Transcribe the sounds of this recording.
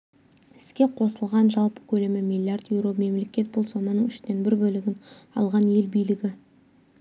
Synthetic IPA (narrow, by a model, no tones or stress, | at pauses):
ɪ̥skʲe̞qʰo̞səlˠʁɑnʒɑlˠpə̥kʲʰɵlemɪmijlʲːiard̪jewɾo̞me̞mle̞kʲe̞t̪̚bʊlˠso̞mənəŋʏ̥ʃt̪e̞nbɪɾbɵlɪɡʲɪnɑ̰lˠʁɑne̞lbijlɪɡʲɪ